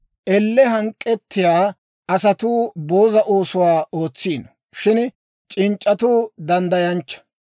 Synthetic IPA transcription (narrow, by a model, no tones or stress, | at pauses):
ʔɛlːɛɦɐŋkʼːɛt̪ːɪjaː | ɐsɐt̪uːbo̞ːzɐʔoːsʊwaːo̞ːt͡sːiːn | ʃɪn | t͡ʃʼɪnt͡ʃʼːɐt̪uːd̪ɐnd̪ɐjɐnt͡ʃːɐ̥